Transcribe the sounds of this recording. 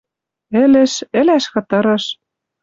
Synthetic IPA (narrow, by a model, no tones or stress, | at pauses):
ɘ̆lɘ̆ʃɘ̆læʃkɤ̆t̪ɤ̆ɾɤ̆ʃ